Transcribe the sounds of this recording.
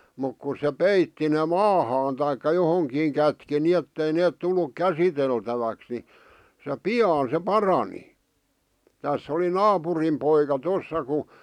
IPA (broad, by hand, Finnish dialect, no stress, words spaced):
muk kus̆ se peitːi ne mɑːhɑːn tɑikːɑ johoŋkiːŋ kætki nietːei neːt tulːuk kæsiteltæʋæks ni se piɑːn se pɑrɑni tæsː oli nɑːpurim poikɑ tosːɑ ku